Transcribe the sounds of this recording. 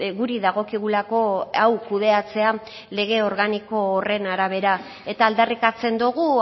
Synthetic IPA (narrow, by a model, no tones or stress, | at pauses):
ɣuɾiðaɣ̞o̞kiɣulako̞awkuð̞e̞at͡se̞a | le̞ɣ̞e̞o̞ɾɣaniko̞ːre̞naɾaβ̞e̞ɾa | e̞t̪aːld̪arikat͡se̞nd̪uɣu